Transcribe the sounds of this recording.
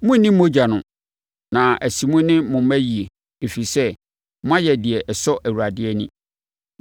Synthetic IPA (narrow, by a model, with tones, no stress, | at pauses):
mʊ̃˦nĩ˦mː˦õ˦d͡ʑa˨nʊ̃˨ | nã˨ʔæ˨si˨mʊ̃˦nɪ̃˦mʊ̃˨m˦æ˦ji˨e˨ | e˨fi˨sɛ˦ | m̃˦ã˦jɛ˨dɪ˨ɛ˨ʔɛ˨sɔ˦ʔæ˨wu˨a˨dɪ˦ɛ˦nḭ̃˦